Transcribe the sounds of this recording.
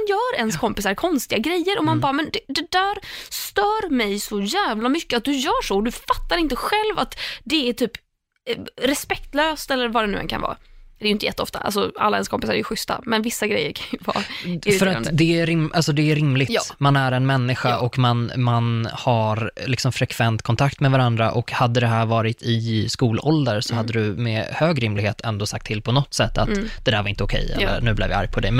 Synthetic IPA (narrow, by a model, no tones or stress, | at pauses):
njœːɾɛnskʰɔmpɪsaɾkʰɔnst̪ɪɡaɡɾɛjːəɾɔmanbɑːɾamɛnd̪ɛd̪ɛd̪æːɾst̪œːɾmɛjsɔjæːvlamʏkːəat̪̚d̪ɵjœːʂɔd̪ɵfat̪ːaɾɪnt̪əɧɛlvat̪d̪ɛæʈʰyːp | ɾɛspɛk̚t̪løːst̪ɛlːəɾvaɖɛnʉ̟ːɛ̰nkʰa̰nvɑ̰ːd̪ɛːjʏnt̪əjɛt̪ːəɔ̰ft̪a̰ʔa̰lsɔa̰lːaɛ̰nskʰɔmpɪsaɾɛjɵɧʏst̪a̰mɛnvɪsːaɡɾɛ̰jːə̰ɾkʰanjɵvɑ̰ːffœɾat̪d̪ɛæɾɪmʔalsɔd̪ɛæɾɪmlɪɡtmanæɾɛnmɛnːɪɧaʔɔkmanmanhaɾlɪksɔmfɾɛkʰvɛnt̪kʰɔnt̪ʰakt̪mɛvaɾand̪ɾaʔɔkhad̪ːəd̪ɛɦæːɾvɑːɾɪt̪ʰɪskuːlɔld̪əɾsɔhad̪ːəd̪ɵmɛ̰høːɡɾɪmlɪɡheːt̪ʰɛnd̪oːsakt̪ʰːɪlpʰɔnɔt̪ːsɛt̪ːat̪d̪̥ɛd̪æːɾvaɾɪnt̪əʊkʰɛ̰jɛ̰lːə̰ɾnʉ̟ːblɛ̰vja̰a̰ɾjpʰɔd̪ɛ̰jm